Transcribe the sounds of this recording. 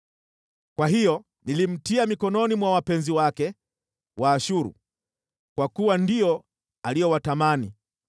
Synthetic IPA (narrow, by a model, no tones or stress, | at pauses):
kwaɦijɔ | nilim̩tiamikɔnɔnimwawapɛnziwakɛ | wʔaːʃuɾṵ | kwakuwandijɔ | alijɔwatamani